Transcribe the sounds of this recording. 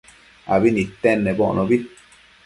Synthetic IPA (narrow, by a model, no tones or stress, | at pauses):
a̰βinĩt̪enːeboʔnobi